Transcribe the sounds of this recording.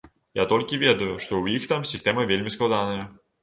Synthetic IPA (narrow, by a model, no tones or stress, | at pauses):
jat̪ɔlʲkʲivʲed̪ɐjʊʂt̪ɔwixt̪amsʲɪsʲtʲemɐvʲelʲmʲisklˠɐd̪anəjɐ